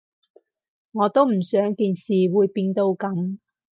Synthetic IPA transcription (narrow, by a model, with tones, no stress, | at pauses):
ŋɔː˨˧t̪o˥wm̩˨˩sœː˨˥ŋkiː˧nsiː˨wuː˨˧jpiː˧nt̪o˧wkɐ˨˥m